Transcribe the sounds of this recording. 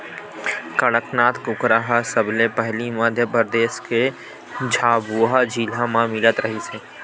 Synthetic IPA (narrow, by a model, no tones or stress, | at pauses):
kəɽəknaːt̪kʊkɾaɦasəbʱlepəɦlimaːd̪ʱjəpəɾəd̪eːʃke | d͡ʒʱaːbuːɦad͡ʒilãmãmɪlət̪ɾəɦiseː